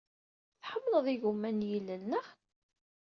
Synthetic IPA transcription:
θħəmːləðˤiʝumːænjilːənːəχ

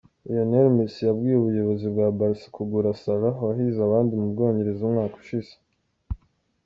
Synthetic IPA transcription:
ijoneɾmisjabɡiːjeuβujo̞βo̞zibɡaːbaɾsi̥kʰuɡuɾasalawaɦiːzaβaːndimumuɾɡoaɲeɾezumŋaːko̥ʃize̥

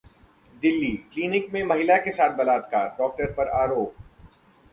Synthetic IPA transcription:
d̪ɪlːikliːnɪkmẽmɐɦɪlakesaːt̪̚ʰbɐlaːt̪kaːɾɖɔːk̚ʈəɾpɐɾaːɾoːp̚

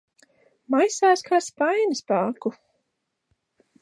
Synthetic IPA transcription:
majsaːskʰaːspajnɨspaːku

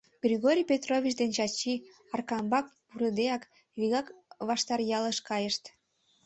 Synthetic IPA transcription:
ɡ̥ɾʲiɣoɾʲijpʲet̪rovʲit͡ɕd̪ent͡ɕɑt͡ɕi | ɑrkɑmbɑk̚puɾəd̪eɑk | viɣɑkβɑʃt̪ɑrjɑləʃkɑjəʃt̪

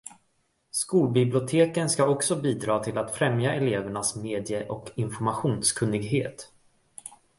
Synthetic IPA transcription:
skuːlbɪblɪʊt̪ʰeːkənskaɔksɔbiːd̪ɾɑːt̪ʰɪlat̪fɾɛmjaʔɛleːvəɳasmeːd̪jəʔɔkɪnfɔɾmaɧuːnskʰɵnːɪɡɦeːt̪

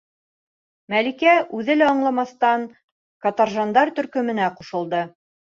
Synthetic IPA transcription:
mælikæʔʉðɘlæɑɴlˠɑmɑθt̪ɑŋ | kɑt̪ɑrʒɑnd̪ɑɾt̪ɵ̆ɾkɵ̆mɘ̆næquʃɤ̆lˠd̪ɤ

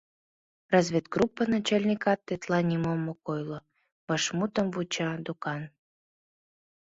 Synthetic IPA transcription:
rɑzβʲet̪ɡrupːənɑt͡ɕɑlʲnʲikɑt̪ːet̪lɑnʲimomːokojlo | βɑʃmut̪əmvut͡ɕɑd̪ukɑn

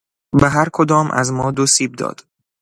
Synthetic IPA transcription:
beɦæɾkʰod̪ɒːmʔæ̰zmɒːd̪osiːb̚d̪ɒ̰ːd̪̥

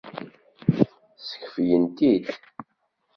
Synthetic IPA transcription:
sə̥çfjənt̪id̪

